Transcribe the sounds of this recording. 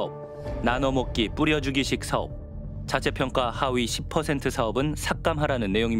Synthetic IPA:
ʌp̚ | nanʌmok̚k͈ip͈uɾjʌd͡ʑuɡiɕʰik̚sʰaʌ̰p̚ | t͡ɕat͡ɕʰe̞pʰjʌŋk͈wahawiɕʰip̚pʰʌsʰe̞ntʰɯsʰaʌbɯnsʰak̚k͈amɦaɾanɯnːe̞joŋi

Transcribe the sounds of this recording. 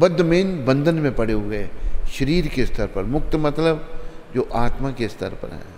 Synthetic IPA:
bɐd̪ːmeːnbɐ̃nd̪ʱənmẽpɐɽ̤eɦoɡɐeːʃəɾiːɾkest̪ʰəɾpɐɾmʊk̚t̪mɐt̪ləbd͡ʒoːʔaːt̪makest̪ʰə̰ɾpɐ̰ɾɦɛ̰̃ː

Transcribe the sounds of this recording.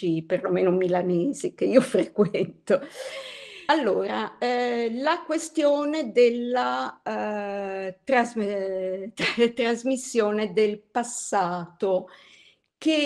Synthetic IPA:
iperlomeːnomilaneːzikeiːofɾekwɛnt̪o | alːoːɾa | lakwest̪joːned̪elːa | t̪ɾaz | t̪ɾazmisːjoːned̪elpasːaːt̪o | ke

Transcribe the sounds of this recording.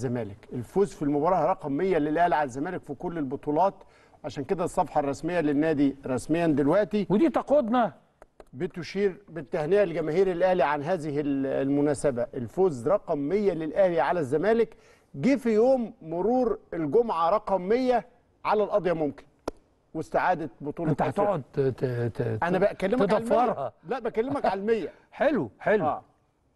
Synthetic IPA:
zæmæːlɪkelfoːzfilmobɑːɾˤɑːhɾˤɑqɑmːejːælelʔæhliʕalæzːæmæːlɪkfikolːelbot̪ˤuːlɑːt̪ | ʕaʃæːnked̪æsˤːɑfħɑrˤːɑsmejːælɪnːæːd̪iɾˤɑsmejːænd̪elwæʔt̪iwed̪iːt̪ɑqod̪nɑ | bɪt̪ʊʃiːɾbɪt̪ːæhnejælɡæmæːhiːɾɪlʔæhliʕanɦæːzɪhɪllmʊnæːsæbæʔelfoːzɾˤɑqɑmːejːælelʔæhliʕalæzːæmæːlɪk | ɡiːfijoːmːoɾuːɾelɡomʕaɾˤɑqɑmːejːæ | ʕalælʔɑd̪ˤjɑmomkɪ̥n | west̪aʕaːd̪æbot̪ˤuːlɑt̪ːafeʕod̪ | ʔænæbæʔækælːemd̪æfmːɑɾˤhɑlæʔbæʔkælːeemækʕalmejːæ | ħeluħelæ̰ː

